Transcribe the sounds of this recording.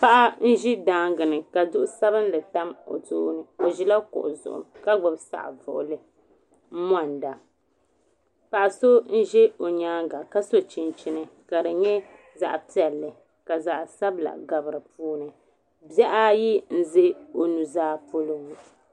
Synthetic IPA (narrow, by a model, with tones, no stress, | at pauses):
pa˦ʔa˦n̩˦ʒi˦daː˦ŋɡɨ˨nɨ˨ka˨dʊ˦ʔʊ˦sa˦bɨ˦n˦lɨ˨ta˦mo̰˨tṵː˦nɨ˨o˨ʒi˦la˦kʊ̰˨ʔʊ̰˨zʊ̰˨ʔʊ̰˨mka˦ɡ͡bɨ˨bsa̰˨ʔvʊ̰˨ʔʊ̰˨lɨ˨ | m̩˦m˦a˦˨nda˨ | pa˨ʔa˨so˦n̩˦ʒɛ˦o˨ɲaː˦ŋɡa˨ka˦so˦t͡ʃi˨nt͡ʃɪ˨nɨ˨ka˨dɨ˨ɲɛ˦ | za̰˨ʔpi˦ɛ˨lːɨ˨ | ka˨za˨ʔsa˦bla̰˨ɡa˨bɨ˨ɾɨ˨puː˦nɨ˨ | bɛ˦ʔa˦ji˦n̩˦ze˦o˨nu˨zaː˦po˦lo˦ŋ˨